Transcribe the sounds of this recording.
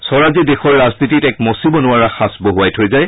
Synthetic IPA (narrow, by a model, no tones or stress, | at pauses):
sɔɹazidexɔɹɹaznititɛkmosibɔnʊaɹaxasboɦuajtʰojzaj